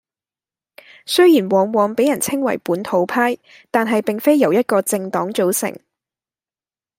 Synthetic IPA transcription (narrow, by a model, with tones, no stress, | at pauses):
sɵ˥ɥjiː˨˩nwɔː˨ŋwɔː˨ŋpe˨˥jɐ˨˩nt͡sʰɪ˥ŋwɐ̰˨˩jpuː˨˥nt̪ʰo˨˧˥wpʰaː˥j | t̪aː˨nɦɐ˨jpɪ˨ŋfe˥jɐ˨˩wjɐ˥t̚kɔː˧t͡sɪ˧ŋt̪ɔː˨˥ŋt͡so˨˥wsɪ̰˨˩ŋ